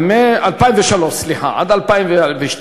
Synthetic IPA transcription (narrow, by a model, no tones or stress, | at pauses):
meʔalpajimveʃaloʃliħa̰a̰d̪alpaimveveʃ